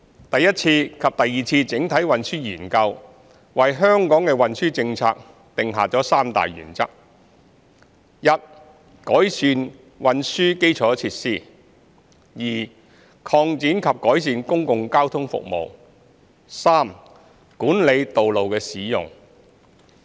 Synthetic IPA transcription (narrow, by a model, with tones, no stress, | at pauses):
t̪ɐ˨jːɐ˥t̚t͡sʰiː˧kʰɐ˨p̚t̪ɐ˨jːiː˨t͡sʰiː˧t͡sɪ˨˥ŋt̪ʰɐ˨˥jwɐ˨nsyː˥jyː˨˩nkɐ˧w | wɐ˨jɦœː˥ŋkɔː˨˥ŋkɛː˧wɐ˨nsyː˥t͡sɪ˧ŋt͡sʰa̰ː˧k̚ | t̪ɪ˨ŋɦaː˨k̚t͡sɔː˨˥saː˥mt̪a̰ː˨jjy̰ː˨˩nt͡sɐ˥k̚ | jɐ˧t̚ | kɔː˨˥jsyː˧n | wɐ˨nsyː˥ke˥jt͡sʰɔː˨˥t͡sʰiː˧˥t̚siː˥˩ | jiː˨˩ | kʰɔː˧ŋt͡siː˨˥nkʰɐ˨p̚kɔː˨˥js̬iː˨˧nkʊ˥ŋkʊ˨ŋkaː˥wt̪ʰʊ˥ŋfʊ̰˨k̚mo̰˨w | saː˥m | kuː˨˥nle˨˧jt̪o˨wlo˨wkɛː˧siː˨˥jʊ̰˨ŋ